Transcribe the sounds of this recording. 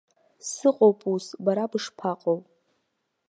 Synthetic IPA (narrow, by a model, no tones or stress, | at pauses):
sɨqʼowpʼusbaɾabɨʂpʰaqʼow